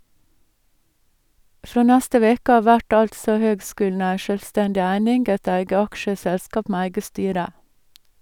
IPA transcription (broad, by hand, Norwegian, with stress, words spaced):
ˈfɾoː ˈnæstə ˈʋeːkə ˈɑː ˈʋæʈ ˈɑltsɔ ˈhøːɡˌskʉːln̩ ˈæɪ ʃœlˈstɛndɪ ˈæɪnɪŋɡ ˈæɪt ˈæɪɡə ˈɑkʃəˌsɛlskɑp ˈmeː ˈæɪɡə ˈstyːɾə